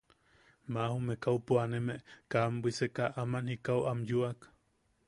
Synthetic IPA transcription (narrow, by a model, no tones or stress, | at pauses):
mahumekaupuanemeʔkambʷisekaʔamanhikawʔamjuak